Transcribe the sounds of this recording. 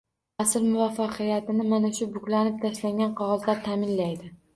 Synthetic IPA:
asɪɾmʊvafːɑqʰɨjat̪ɪnɪmanaʃʊbʊkʲlanɪp̚t̪ʰaʃlaŋɡʲanqʰɒʁɨlˠt̪laɾt̪ʰaːmɪnlajd̪ɪ

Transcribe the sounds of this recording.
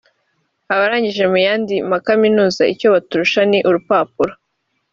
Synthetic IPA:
aβaɾaːɲɟiʒe̞mujaːndimakaminuːzaico̞βatuɾuʃaniʔuɾupaːpuɾa

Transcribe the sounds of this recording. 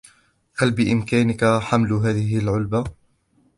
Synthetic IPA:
halbɪʔɪmkaːnɪkaħamlɦaːðɪɦɪlʕʊlba

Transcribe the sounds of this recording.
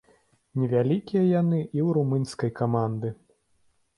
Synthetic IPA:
nʲɛvʲalʲikʲijɐjanɨʔiwɾumɨnʲskɐjkamand̪ɨ

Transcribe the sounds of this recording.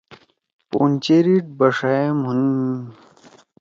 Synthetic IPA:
pont͡ɕeɾiʈ̚bɐʂaemɦuni

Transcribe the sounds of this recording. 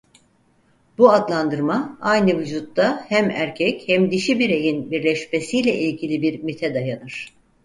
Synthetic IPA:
buad̪lˠand̪ɯɾmaajnɯvyd͡ʒut̪ːahæmæɾcʰɛchɛmd̪iʃibiɾe̞jinbiɾlʲɛʃme̞sijlʲɛʔilʲɟilʲibiɾmit̪ʰɛd̪ajanɯɾ̥

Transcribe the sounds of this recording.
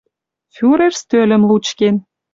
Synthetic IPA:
fʲyɾerst̪ølə̆mlut͡ɕken

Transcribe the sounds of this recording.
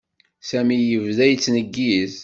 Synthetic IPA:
sæmijəvðæjət͡sːnəɡːiθ

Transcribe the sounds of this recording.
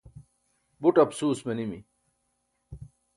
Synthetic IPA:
buʈɐpsuːsmenimḭ

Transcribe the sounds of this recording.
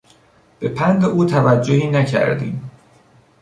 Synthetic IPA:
b̥e̞pʰænd̪eʔuːt̪ʰævæd͡ʒːohiːnæcʰæ̰ɾd̪ḭːm

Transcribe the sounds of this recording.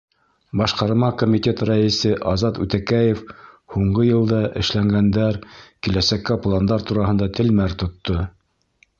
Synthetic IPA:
bɑʃqɑɾmɑkomʲit̪ʲe̞t̪ɾɑɘ̆sɘʔɑzɑt̪ʉt̪ækæjef | huɴɢɤjɤ̆lˠd̪ɑʔɘ̆ʃlæŋɡænd̪æɾkilæsækːæplˠand̪ɑɾt̪uɾɑhɤ̆nd̪ɑt̪ɘ̆lmæɾt̪ŏt̪ːo

